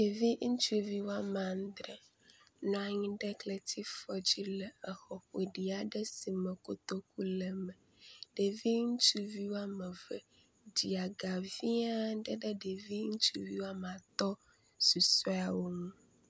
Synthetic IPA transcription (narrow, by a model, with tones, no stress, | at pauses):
ɖe˨vi˦ʔŋ̩˦t͡ʃu˦˨vi˦wa˦mã˨n̩˦d̪ɾɛ˨ | nɔ̃˨a˨ɲĩ˦ɖɛ˦klɛ˨t̪i˦fɔ˨d͡ʑi˦lɛ˨ɛ˨xɔ˨ɸe˨ɖi˨a˨ɖɛ˦si˨mɛ˨ko˨t̪o˦ku˦lɛ˨mɛ˨ | ɖ̥e˨vi˦ŋ̩˦t͡ʃu˦vi˦wo˦a˦mɛ˨vɛ˨ | d͡ʑi˨a˨ɡa˨vi˦a˦ɖɛ˦ɖɛ˦ɖe˨vi˦ŋ̩˦t͡ʃu˦vi˦wa˦m˨a˨t̪ɔ˦ | su˨so˦a˨wo˦ŋũ˦